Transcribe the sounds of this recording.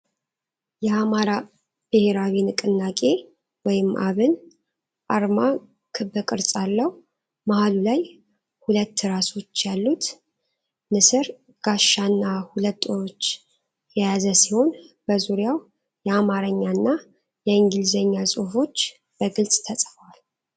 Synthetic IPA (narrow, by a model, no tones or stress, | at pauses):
jɛamaɾa | b̥ɨhe̞ɾawinɨkʼɨnːakʼe̞ | wɔjɪmːʔaβɨn | ʔaɾma | kʰɨbɨkʼɨɾt͡sʼalːəhu | mahalulaj | hulət̪ːɨɾaso̞t͡ʃːjalːut̪ | nɨsɨɾ | ɡ̥aʃːanːahulət̪ʼːoɾot͡ʃː | ɛjazəsiho̞nb̥əzuɾjaw | jɛamaɾəɲːanːa | jɛɨŋɡɨlzəɲːasʼufo̞t͡ʃː | b̥əɡɨlt͡sʼt̪ʰəsʼfəwal